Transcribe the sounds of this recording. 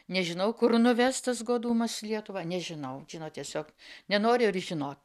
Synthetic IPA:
nʲɛʒʲɪnɐʊkʊrnʊʋʲɛst̪ɐsɡoːd̪uːmɐslʲiɛt̪ʊʋɑːnʲɛʒʲɪnɐʊʒʲɪnoːt̪ʲiɛsʲoːknʲɛnoːɾʲɪɪrʒʲɪnoːt̪

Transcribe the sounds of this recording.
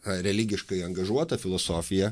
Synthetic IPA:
ɾʲɛlʲiɡʲɪʃkɐɪɐŋɡɐʒuɔt̪ɐfʲɪlˠoːsoːfʲɪjɛ

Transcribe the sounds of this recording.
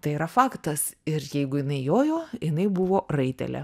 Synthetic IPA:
t̪ɐɪiːɾɐfɑːkt̪ɐsɪɾjɛɪɡʊjɪnɐɪjoːjoːjɪnɐɪbʊʋoːrɐɪt̪ʲɛ̰lʲɛ̰

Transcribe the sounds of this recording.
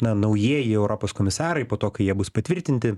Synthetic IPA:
nɐnɐʊjiɛjɪɛʊɾɔpoːskɔmʲɪsɑːɾɐɪpoːt̪oːkɐɪjiɛbʊspɐt̪ʲʋʲɪɾʲt̪ʲɪnʲt̪ʲɪ

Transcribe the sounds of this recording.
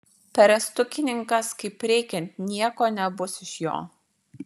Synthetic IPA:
pʲɛɾɛst̪ʊkʲɪnʲɪŋkɐskɐɪpɾʲɛɪkʲɛnʲt̪ʲnʲiɛkoːnʲɛbʊsɪʃjo̰ː

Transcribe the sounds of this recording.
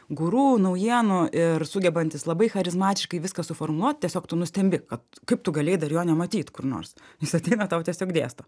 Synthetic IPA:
ɡʊɾuːnɐʊjiɛnʊɪrsʊɡʲɛbɐnʲt̪ʲɪslˠɐbɐɪxɐɾʲɪzmɑːt̪ʲɪʃkɐɪʋʲɪskɐsʊfoːrmʊlˠuɔt̪̚t̪ʲiɛsʲoːkt̪ʊnʊsʲt̪ʲɛmʲbʲɪkɐt̪kɐɪp̚t̪ʊɡɐlʲeːd̪ɐrjoːnʲɛmɐt̪ʲiːt̪kʊrno̰ːrsjɪsɐt̪ʲɛɪnɐt̪ɐʊt̪ʲiɛsʲoːkd̪ʲḛːst̪oː

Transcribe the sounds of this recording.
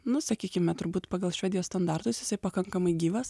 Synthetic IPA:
nʊsɐkʲiːkʲɪmʲɛt̪ʊɾbuːt̪pɑːɡɐlˠʃʲʋʲɛːd̪ʲɪjoːst̪ɐnd̪ɑrt̪ʊsjɪsɐɪpɐkɐŋkɐmɐɪɡʲiːʋɐs

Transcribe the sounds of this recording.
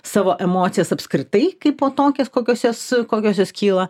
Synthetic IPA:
sɑːʋoːʔɛmoːt̪ʲɪjɛsɐpskɾʲɪt̪ɐɪkɐɪpoːt̪oːkʲɛskoːkʲoːsjoːskoːkʲoːsjoːskʲiːlˠɐ

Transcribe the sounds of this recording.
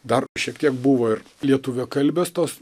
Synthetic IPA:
d̪ɐrʃʲiɛk̚t̪ʲiɛkbʊʋoːɪr | lʲiɛt̪ʊʋʲekɐlʲbʲeːst̪oːs

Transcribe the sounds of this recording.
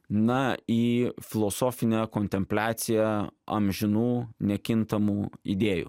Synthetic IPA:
nɐiːfʲɪlˠɔsoːfʲɪnʲɛkonʲt̪ʲɛmʲpʲlʲæːt̪sʲɪjɛɐ̰mʲʒʲɪnuːnʲɛkʲɪnt̪ɐmuːḭd̪ʲeːjṵ

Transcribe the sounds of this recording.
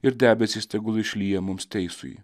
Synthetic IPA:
ɪɾd̪ʲæːbʲɛsʲist̪ʲɛɡʊlˠɪʃʲlʲiːjɛmʊmst̪ʲɛɪsʊ̰j

